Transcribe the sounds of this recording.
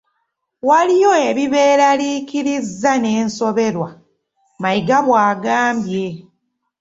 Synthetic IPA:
walijo̞eβiβe̞ːɾaliːkiɾizːane̞ːnso̞βe̞ɾwa | maiɡaβwaːɡaːmbje̞

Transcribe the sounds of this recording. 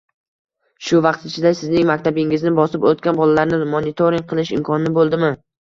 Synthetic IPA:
ʃʊvɑqt̪ɪt͡ʃʰɪd̪asɪznɪŋmakʲt̪ʰabɪŋɪznɪbɒsɪpot̪̚kʲanbɒlalaɾnɪmonɪt̪ʰoɾiŋ̚ʲqʰɨlˠɪʃɪmkʰɒnɪnɪbolˠd̪ɪmɪ

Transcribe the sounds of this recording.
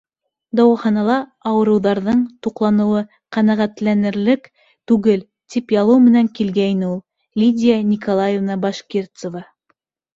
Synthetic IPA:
d̪ɑwɑχɑnɑlˠɑɑwɤ̆ɾɤ̆wðɑɾðɤɴt̪uqlˠɑnɤ̆wɤ | qænæʁæt̪lænɘ̆ɾlɘk | t̪ʉɡɘl | t̪ipjɑlˠɤwmɘ̆næŋkilɡæinɘulˠ | lʲidʲijanʲikolˠajevnɑbɑʃkʲert̪sŏvɑ

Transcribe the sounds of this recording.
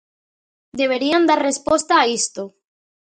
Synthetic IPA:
d̪eβeɾiand̪aɾrespost̪aːist̪o

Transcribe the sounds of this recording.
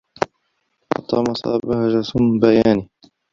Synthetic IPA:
ʔɑ̰t̪ˤːɑːmɑsˤɑ̰ːbahaʒasʊmbajaːniː

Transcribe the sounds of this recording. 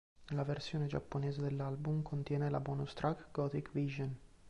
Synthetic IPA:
nlaversjoːned͡ʒa̰pːonɛːzed̪elːalbumkʰont̪jɛːnela̰bɔnost̪ɾʔakɡɔt̪ikviʒon

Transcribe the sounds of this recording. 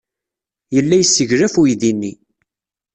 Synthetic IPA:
jəlːæjəsːəʝɾæfuiðinːi

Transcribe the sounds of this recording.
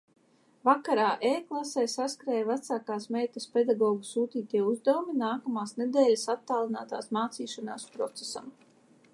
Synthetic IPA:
vakaɾaːʔeːklˠasɛːsaskɾeːjvat̪saːkaːsmeːt̪asped̪aɡɔːɡusuːt̪iːt̪iɛuzd̪awuminaːkamaːsned̪ɛːlʲasat̪ːaːlˠina̰ːt̪a̰ːsmaːt̪siːʃanaːspɾɔt̪sesa̰m

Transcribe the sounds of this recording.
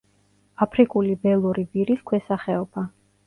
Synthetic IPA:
apʰɾikʼulibɛlˠuɾibiɾiskʰwɛsaχɛɔb̥a

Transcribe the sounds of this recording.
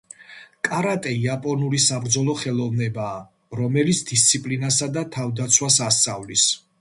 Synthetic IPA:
kʼaɾat̪ʼɛiapʼɔnulisabɾd̪zɔlˠɔχɛlˠɔvnɛbaː | ɾɔmɛlit̪sʰd̪ist̪sʰipʼlinasad̪at̪ʰavd̪at̪sʰwasast̪sʼavlis

